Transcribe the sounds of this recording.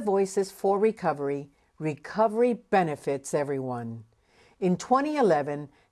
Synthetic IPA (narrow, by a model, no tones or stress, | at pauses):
vɔɪsɨz̥fə˞ɹɨkʰʌvə˞i | ɹɨkʰʌvə˞ib̥ɛnɨfɪtsɛvɹiwʌ̃n | ɨ̃ntʰw̥ɛ̃ɾ̃iɨlɛvɨ̃n